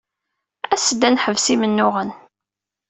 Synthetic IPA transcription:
æsəd̪ænħəvsimənːʊʁən

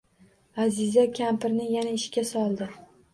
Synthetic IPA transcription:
azɪzakʲʰampɪɾnɪjanaɪʃkʲasɒlˠd̪ɪ

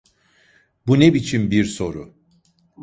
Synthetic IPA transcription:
bunebit͡ʃʰinbiɾso̞ɾʊ

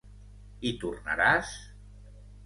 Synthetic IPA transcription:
it̪urna̰ɾas

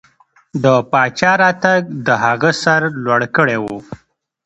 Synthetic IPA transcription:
d̪əpɑt͡ʃɑɾɑt̪aɡ̚d̪əhaɣəsaɾlwaɽkəɽewu

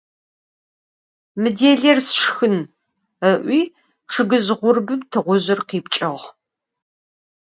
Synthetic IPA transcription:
mɨdeːɮersʂxɨn | əʔʷiː | ʈ͡ʂʰɨɡɨzʁʷʊrbɨmtʰɨʁʷʊʑɪrqiːpt͡ʃʼɐʁ

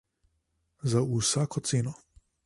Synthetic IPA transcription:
zausaːkɔt̪seːnɔ

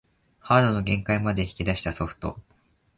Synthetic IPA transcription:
haːd̪o̞no̞ɡẽ̞ŋkaimad̪e̞çi̥kʲid̪aɕi̥t̪aso̞ɸɯ̟̥t̪o̞̰

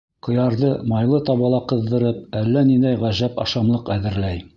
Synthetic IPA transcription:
qŏjɑɾðɤmɑjlˠɤt̪ɑβɑlˠɑqɤ̆ðːɤ̆ɾɤp̚ælːænind̪æjʁæʒæpɑ̰ʃɑmlˠɤqæðɘ̆ɾlæj

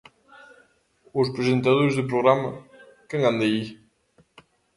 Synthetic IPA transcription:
ospɾezent̪aðoɾzðepɾoɣɾamɐ | keŋand̪ei

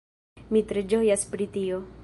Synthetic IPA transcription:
mit̪ɾed͡ʒo̞jaspɾit̪io̞

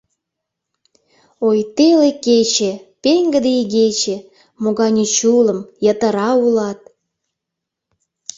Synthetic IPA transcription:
ojt̪eleket͡ɕepeŋɡəd̪eiɣet͡ɕe | moɣɑnʲet͡ɕuləmjət̪əɾɑulɑt̪̚

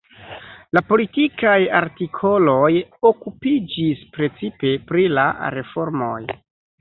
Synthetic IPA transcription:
lapo̞litikajaɾtikʰo̞lo̞jo̞kupid͡ʒispɾe̞t͡sipe̞pɾila̰ɾe̞fo̞ɾmo̞j

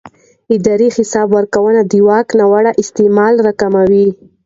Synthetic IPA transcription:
ɪd̪ɑɾixɪsɑbwaɾkawənad̪iwɑknawaɽaʔɪst̪emɑlɾakamawi

